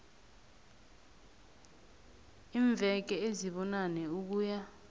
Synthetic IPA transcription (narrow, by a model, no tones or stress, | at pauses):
iːɱb̪vʱɛk̬ɛeziɓɔnanɛuk̬uːja